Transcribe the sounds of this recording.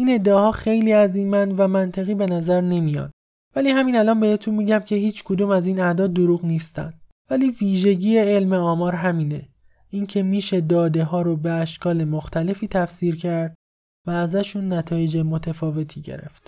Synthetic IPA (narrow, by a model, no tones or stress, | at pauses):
ʔiːne̞d̪ːeɒːhɒːxe̞jliːæziːmænd̪væmænt̪ʰeɣiːbe̞næzæɾne̞mijɒ̰ːd̪̥ | væliːhæmiːnælɒːnbe̞het̪ʰunmiɟæmcʰe̞hiːt͡ʃʰkʰod̪uːmæziːnæd̪ɒːd̪ːoɾuːɣniːst̪æ̰nd̪̥ | væliːviːʒe̞ɟiːeelme̞ɒːmɒːɾɦæmiːne̞ | incʰe̞miːʃe̞d̪ɒːd̪e̞ɦɒːɾobe̞æʃkɒːle̞moxt̪ʰæle̞fiːt̪ʰæfsiːɾcʰæɾd̪̥̚ | væːzæʃunːæt̪ʰɒːje̞d͡ʒemot̪ʰefɒːve̞t̪ʰiːɟḛɾe̞̰ft̪